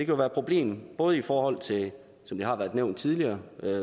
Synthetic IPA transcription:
d̥e̝kʰæjo̝ʋæːɐpʰʁo̝b̥le̝̰ːmb̥ɔ̽ːð̞̩ˠifɒːhɒ̽l̰t͡sʰe̝l | sɒ̽md̥ihɑ̈ʋæːɐð̥ˠneʊ̰nd̥t͡sʰið̞ˠliɐːø

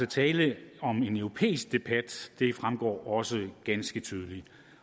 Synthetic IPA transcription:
ət͡sʰɛːləɒ̽me̝nœʊʁo̝pʰḛːisɡ̥̚d̥e̝b̥æd̥d̥e̝fʁamɡ̥ɒ̰ːɒ̽səɡ̥ænsɡ̥ət͡sʰyːð̞ˠəli̥

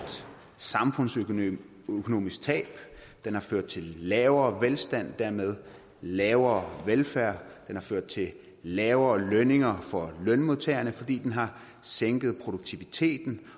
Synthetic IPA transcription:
d̥ | sɑ̈mfɔ̽n̰sø | økʰo̝no̝̰ːmisɡ̥t͡sʰɛ̰ːb̥ | d̥enhɑ̈føɐ̰d̥̚t͡sʰe̝llɛːʊɐːʋelsd̥æn̰d̥æɐ̰með̞ˠ | lɛːʊɐːʋelfæɐ̰d̥enhɑ̈føɐ̰d̥̚t͡sʰe̝l | lɛːʊɐːlœne̝ŋɐfɒ̽lœnmoðˠt͡sʰḛɐnəfɒ̽d̥ḭːd̥enɦɑ̈ | seŋ̰ɡ̥ð̞̩ˠpʰʁo̝d̥uɡ̥̚t͡sʰiʋit͡sʰe̝̰ːd̥n̩

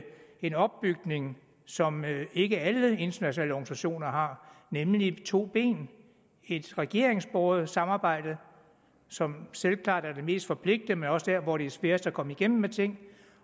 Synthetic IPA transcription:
e̝nɒ̽b̥̚ːyɡ̥ne̝ŋ | sɒ̽me̝ɡ̥əæləe̝nd̥ɐnæɕonɛ̰ːləɒːɡ̥nisæɕo̝̰ːnɐɦɑ̈nemlit͡sʰo̝̰ːb̥e̝̰ːn | e̝d̥ʁɛɡ̥e̝̰ɐeŋsb̥ɒːð̩ˠsɑ̈mɑ̈ːb̥ɑ̈ɪ̰d̥ð̩ˠ | sɒ̽mselkʰlɑ̰̈ːd̥æɐde̝me̝̰ːsd̥fɒ̽pʰle̝ɡ̥̚d̥ð̩əmenɒ̽səd̥æɐʋɒɾ̥e̝æsʋeɐsækʰɒ̽məiɡ̥em̰m̩ːmet͡sʰe̝ŋ̰

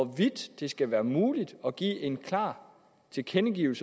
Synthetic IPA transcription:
ɒʋid̥d̥e̝sɡ̥æʋæːɐmuːlid̥ɒ̽ɡ̥ḭːʔe̝nkʰlɑ̈ː | t͡sʰe̝lkʰenəɡ̥iːʊl̩sə

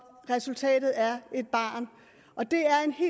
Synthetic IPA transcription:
ʁɛsult͡sʰɛ̰ːdɾ̥ð̩ˠæɐe̝d̥̚b̥ɑ̰̈ːn | ɒ̽d̥e̝æɐe̝nhe̝̰ː

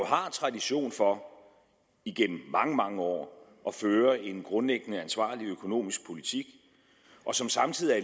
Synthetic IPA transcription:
ɦɑ̈t͡sʰʁɑ̈diɕo̝̰ːnfɒ̽ | iɡ̥en̰m̩ːɑ̈ŋəmɑ̈ŋəɒ̰ː | ʔɒ̽føːɐe̝nɡ̥ʁɔ̽nleɡ̥nəænsʋɑ̰̈ːliøkʰo̝no̝̰ːmisɡ̥̚pʰo̝lit͡sʰiɡ̥ | ʔɒ̽sɒ̽msɑ̈mt͡sʰið̰ˠiæ

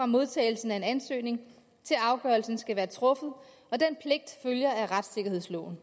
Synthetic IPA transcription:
ʁɑ̈mo̝ð̞ˠt͡sʰɛ̰ːɪl̩sn̩æe̝nænsø̰ːne̝ŋ | t͡sʰe̝lɑ̈ʊɡ̥ɶɐlsn̩sɡ̥æʋæːɐt͡sʰʁɔ̽fð̞̩ˠ | ɒ̽d̥en̰pʰle̝ɡ̥̚d̥føljɐæʁad̥se̝ɡ̥ɐhe̝ð̰ˠslɔ̰ʊn̩

